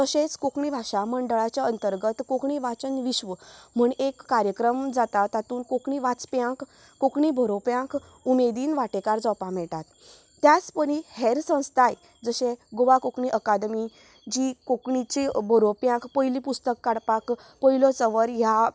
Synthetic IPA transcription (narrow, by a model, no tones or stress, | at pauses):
t̪əɕet͡skokɳibʱaɕaməɳɖəɭat͡ɕjaənt̪əɾɡət̪kokɳiʋat͡sənʋiɕʋəm̤uɳekːaɾjəkɾəmd͡zat̪at̪ːat̪uːnkokɳiʋat͡spjãkː | okɳibʱəɾopjãk | umed̪iːnʋaʈekaɾd͡zɔwpamɛʈat̪ː | jat͡spəɽ̃ihɛɾsə̃w̃st̪ʰaj | d͡zəɕẽɡoʋakokɳiʔəkad̪mi | d͡ʑiːkokɳit͡ɕibʱəɾopjãkpəjlipust̪əkːaɽpak | pəilɔt͡səʋəɾja